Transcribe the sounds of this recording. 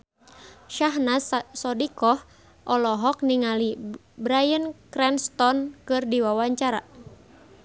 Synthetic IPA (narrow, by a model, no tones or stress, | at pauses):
ʃaɦnassɔdikɔh | ʔɔlɔɦɔk̚niŋali | bɾajənkɾɛnst̪ɔnkɨrdiwawaɲt͡ʃaɾa̰